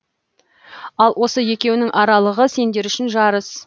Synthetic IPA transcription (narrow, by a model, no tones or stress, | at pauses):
ɑlˠwʔo̞səje̞kʲe̞wɪnɪŋʔɑɾɑlˠəʁəse̞nd̪e̞ɾʏʃɪnʒɑɾəs